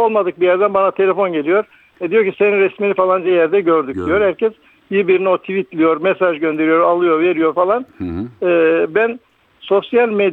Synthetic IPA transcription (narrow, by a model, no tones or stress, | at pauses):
olˠmad̪ɯk̚bijæɾd̪ænbanat̪ʰe̞lʲefo̞nɟe̞lʲijo̞ɾ | ɛd̪ijo̞ɾcʰise̞ninɾɛsminifalˠand͡ʒɛjæɾd̪ɛɟø̞ɾd̪ycd̪ijo̞ɾhæɾcʰɛs | bibiɾino̞t̪ʰivit̪lʲijo̞ɾmɛsaʒɟø̞nd̪e̞ɾijo̞ɾalˠɯjo̞ɾve̞ɾijo̞ɾfalˠanɯːbæn | so̞sjalʲmed̪